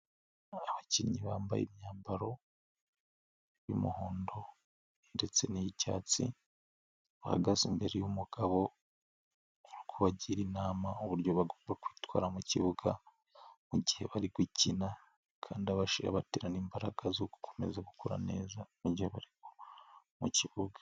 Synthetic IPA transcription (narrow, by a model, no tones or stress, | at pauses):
aβaciːɲiβaːmba̰jḛmɲaːmbaɾo̞ | jumuhoːndo̞ | nde̞t͡se̞nijica̰ːt͡sḭ | βaha̰ɡazimbe̞ɾejumuɡ̥aβo̞ | uɾukoβaɟiɾinaːmauβuɾɟoβaɡoːmbakwiːtwa̰ːɾamuciβuɡa | muɟihe̞βaɾiɡwicina | kʰaːndiaβaʃiɾa̰βateːɾaniːmbaɾaɡazoku̥kʰo̥me̞zaɡukʰuɾa̰ne̞̰ːzamuɟiheβaɾiɡo̥ | muciβuɡa